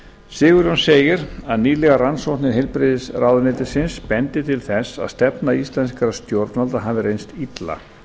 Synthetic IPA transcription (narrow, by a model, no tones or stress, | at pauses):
sɪːɣʏɾjɔnseːjɪɾaðniːlɛɣaransowht̪nɪɦɛlpɾɪːðɪsraːwðʏnɪːt̪ɪsɪnspɛnt̪ɪt̪ʰɪlθɛsːa̰ðst̪ɛpnaist̪lɛnskaɾast̪jowɾt̪nalt̪aɦavɪɾejnst̪it̪la̰